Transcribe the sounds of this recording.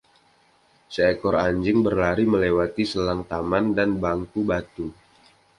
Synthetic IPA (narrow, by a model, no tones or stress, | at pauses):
səekɔɾaɲd͡ʒɪŋbərlaɾiməlewat̪isəlaŋt̪amandanbaŋkubat̪u